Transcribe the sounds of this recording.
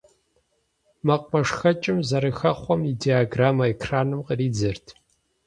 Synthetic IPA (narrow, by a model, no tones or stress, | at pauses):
mɐq̚ʼmɐʂxɐt͡ʃʼɪmzɐɾɨxɐχʷɔmidiaɡraːmɐekʰraːnɨmqəriːd͡zɨrtʰ